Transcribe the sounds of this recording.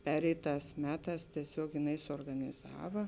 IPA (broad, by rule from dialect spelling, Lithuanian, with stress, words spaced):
ˈpʲæːrʲɛɪˌtɑːs ˈmʲæːˌtɑːs tʲiɛˈsʲoːk jɪˈnɐɪ suɔrɡɐnʲɪˈzɑːʋɐ